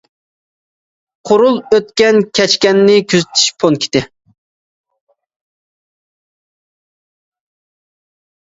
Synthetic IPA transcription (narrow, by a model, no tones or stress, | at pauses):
qʰoɾulˠøt̪kʲɛnkʲʰɛt͡ʃkʲɛnːɪkʲʰyzyt̪ʰi̥ʃpʰonkʲʰi̥t̪ɪ